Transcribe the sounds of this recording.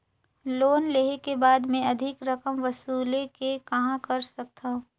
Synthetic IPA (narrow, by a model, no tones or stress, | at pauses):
loːnleːɦekebaːd̪mẽɐd̪ʱɪkɾɐkəmʋɐsuːlekekɐɦãkɐɾsɐk̚t̪aɦũ